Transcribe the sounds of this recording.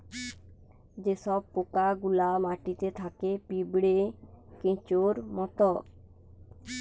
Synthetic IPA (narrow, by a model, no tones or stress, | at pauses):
d͡ʑeʃɔb̚pokaɡulamaʈit̪et̪ʰakepibɽekẽt͡ɕoɾmɔt̪o